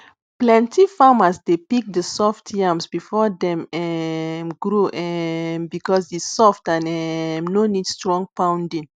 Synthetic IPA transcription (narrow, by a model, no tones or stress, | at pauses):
plɛ̃ntifamasdepik̚dəsɔftʰiãmsbifɔdɛ̃mɛmɡɹuʔɛmbikɔsdisɔftãnɛmnonidstɹɔ̃ŋpãw̃ndĩn